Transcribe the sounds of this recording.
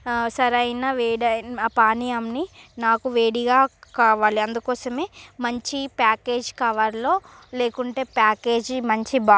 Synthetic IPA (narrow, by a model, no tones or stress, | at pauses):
sɐɾɐjnɐʋeːɽɐapaːnijamninaːkuʋeːɽiɡaːkaːʋaːliɐnd̪ukɔːsɐmeːmɐɲt͡ʃipaːke̞ːd͡ʒkaːʋaːɾlo̞ː | le̞ːkuɳʈe̞ːpaːke̞ːd͡ʒmɐɲt͡ʃibaː